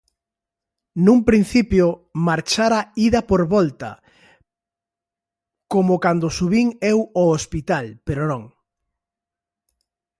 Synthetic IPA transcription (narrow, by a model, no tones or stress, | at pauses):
nũmpɾin̟θipjomaɾt͡ʃaɾaiðɐpoɾβɔlt̪ɐ̰ | komʊkand̪osuβiŋɛwoospit̪alpeɾonõŋ